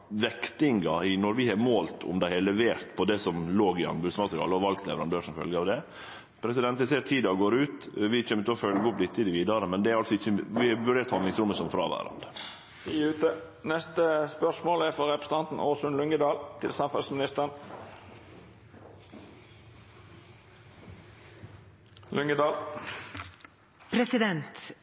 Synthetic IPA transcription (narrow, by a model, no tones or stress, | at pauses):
ʋɛkt̪ɪŋɡɑɪnɔɾʋɪhɑmoːlt̪ʰʊ̰md̪æɪhɛlɛʋeːɾt̪pʰɔd̪ɛsɔmloːɡɪɑ̰nbʉsmɑt̪ɾɪɑ̰lːəɔʋɑlkt̪lɛ̰ʋəɾɑnd̪øːʂɔmfœ̰lɡəɑːʋd̪ɛ | pʰɾɛsɪd̪ɛnt̪ɪseːɾt̪ʰiːd̪ɑɔɡoːɾʉːt̪ʋɪc͡çømːʉt̪ɔfœlɡəɔplɪt̪ːɪd̪ɪʋiːd̪ɑɾəmɛnd̪ɛæɾɑlsɔɪçːəʋɪɑʋʉɖeːʈt̪ʰːɑnlɪŋsɾʊmːəsɔmfɾɑ̰ːʋæ̰ɾɑ̰nd̪ə | ʉːt̪ə | nɛst̪əspœʂmoːlæɾfɔɾɛpɾəsə̥n̩ɑnt̪n̩ʔoːsʉnlʉŋɡəd̪ɑːlt̪ʰɪlsɑmfɑlsmɪnɪst̪əʁən | lʉŋɡəd̪ɑːl | pʰɾɛsɪd̪ɛnt̪